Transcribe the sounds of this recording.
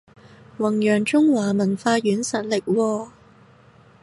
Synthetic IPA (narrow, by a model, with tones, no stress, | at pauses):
wɐ˨˩ŋjœː˨˩ŋt͡ʃʊ˥ŋwaː˨˩mɐ˨˩nfaː˧jyː˨˥nsɐ˨˩t̚lɪ˨k̚wɔː˧